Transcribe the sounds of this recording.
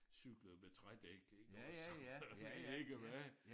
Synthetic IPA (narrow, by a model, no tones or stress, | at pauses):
syɡ̥ləð̩ˠmet͡sʰʁad̥eɡ̥eɡ̥ | ee̝ɡ̥əʋæ